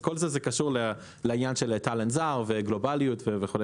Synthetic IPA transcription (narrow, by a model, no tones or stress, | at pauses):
ko̞lzezekaʃuʁle | leiɲanʃelt̪alenzaʁveɡlo̞balijut̪vevexule